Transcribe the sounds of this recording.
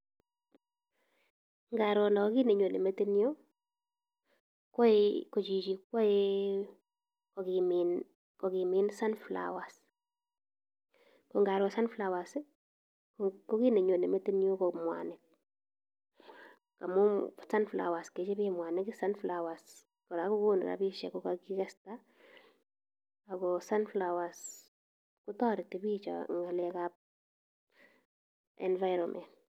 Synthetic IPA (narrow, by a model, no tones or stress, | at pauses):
ŋɡaɾɔndakɔkineɲonḛmetenio | kɔikɔt͡ʃit͡ʃikːɔi | kɔkimin | kɔkiminsanfla̰was | kɔŋɡaɾwɔsanflawas | kɔkineɲonemeteniokɔmwa̰nɪk̚ | kamusanfla̰wasket͡ʃebimwanɪkisanflawas | koɾakukuːn̰ɾa̰biʃḛkokakikesta | akɔsanflawas | kutɔːɾitibit͡ʃa̰ŋɡalekap̚ | ḛnvajɾomʔḛnt